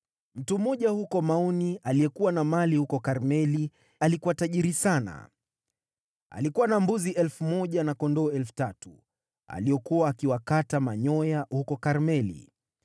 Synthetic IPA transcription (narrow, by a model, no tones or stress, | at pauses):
m̩tum̩ɔʄahukɔmaɔnialijɛkuwanamalihukɔkaɾmɛli | alikuwataʄiɾisana̰ | a̰likuwanambuziʔɛlfumɔʄanakɔndɔːɛlfu̥tatu | a̰lijɔkuwaːkiwakatamaɲɔjahukɔkaɾmɛlḭ